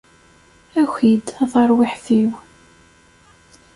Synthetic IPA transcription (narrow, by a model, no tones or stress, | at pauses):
æçʷid̪æθɑɾˤwɪħθiw